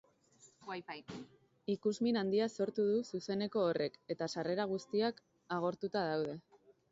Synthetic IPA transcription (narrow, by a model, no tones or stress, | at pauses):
ikuzminand̪iaso̞ɾt̪uðususe̞ne̞ko̞ːre̞ke̞t̪asare̞ɾaɣ̞ust̪iak | aɣ̞o̞ɾt̪ut̪að̞awð̞e̞